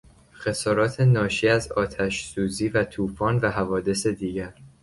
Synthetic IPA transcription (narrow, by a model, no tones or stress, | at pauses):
xe̞sɒːɾɒːt̪ʰe̞nɒːʃiːæzɒːt̪ʰæʃsuːziːvæt̪ʰuːfɒːnvæɦævɒːd̪e̞sed̪iːɟæɾ